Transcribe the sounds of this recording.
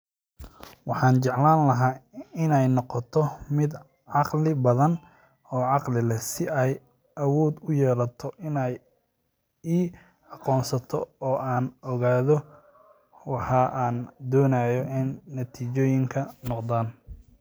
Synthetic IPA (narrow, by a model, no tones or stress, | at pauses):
wɑħɑːnt͡ʃɛʕlaːnlɐɦaːɪnɛjnɔqɔt̪ʰɔmɪd̪ | ʕɑqlɪbɐðɐn | ɔːʕɑqlɪlɛsɪɛj | ʔɐwɔːd̪ʊjɛːlɐt̪ʰɔʔɪnɛj | iː | ɑqɔːnsɐt̪ʰɔ̰ɔːʔaːnɔɣaːðɔ | wɑħɑːʔaːnd̪ɔːnajɔʔɪnːɐt̪ʰiːt͡ʃɔːjɪŋkʰɐnɔqd̪aːn